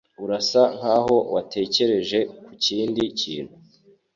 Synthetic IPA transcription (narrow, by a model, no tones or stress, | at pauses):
uɾasaŋ̥aːɦo̞watʰe̞ːce̞ɾe̞ʒe̞kuciːndicḭːn̥hu